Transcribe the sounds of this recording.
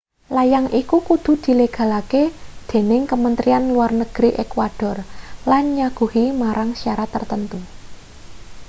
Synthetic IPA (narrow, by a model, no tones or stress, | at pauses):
lajaŋʔikukud̪̥ṳd̪̥i̤leɡ̥ä̤laked̪̥e̤nɪŋkəmənt̪ɾianluwarnəɡ̥ɾiʔekwad̥ɔ̤rlanɲaɡ̥ṳhimaɾaŋsaɾat̪ərt̪ənt̪u